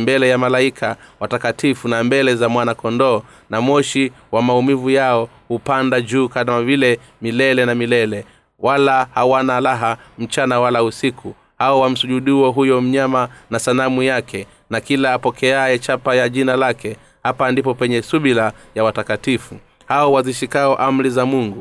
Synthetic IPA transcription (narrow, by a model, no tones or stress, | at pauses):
mbɛlɛjamalaikʰawatakatifunambɛlɛzamwanakɔndɔː | namɔʃi | wamaumivujaɔ | hupandad͡ʒuːkaamavilɛ | milɛlɛnamilɛlɛ | walahawanalaɦam̩t͡ʃanawalausikʰu | haɔwam̩suʄuɗiwɔɦujɔm̩ɲamanasanamujakʰɛ | nakilaːpɔkʰɛaɛt͡ʃapajaʄinalakɛ | hapandipɔpɛɲɛsuɓilajawatakatifu | haɔwaziʃikaɔʔam̩ɾizamuŋɡu